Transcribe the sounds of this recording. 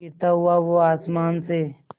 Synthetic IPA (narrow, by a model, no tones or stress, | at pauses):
it̪aɦʊaʋoaːsmaːnse